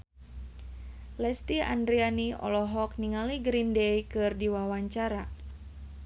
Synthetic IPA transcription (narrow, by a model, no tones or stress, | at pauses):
lɛst̪ia̰ndɾianiɔ̰lɔɦɔk̚niŋaliɡɾindejkɨrdiwawaɲt͡ʃaɾa